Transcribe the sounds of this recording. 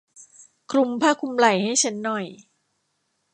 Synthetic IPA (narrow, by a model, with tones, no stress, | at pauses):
kʰɾu˧mpʰaː˥˩kʰu˧mla˨˩jha˥˩jt͡ɕʰa˦˥nːɔ˨˩j